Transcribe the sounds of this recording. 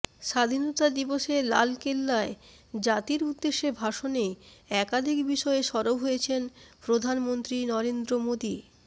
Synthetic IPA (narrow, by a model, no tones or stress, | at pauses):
ʃad̪ʱinot̪ad̪iboʃela̰lkelːae | d͡ʑat̪iɾud̪ːeʃːebʱaʃoneɛkad̪ʱikbiʃɔeʃɔɾobɦojet͡ɕʰenpɾod̪ʱanmont̪ɾinɔɾend̪ɾomod̪i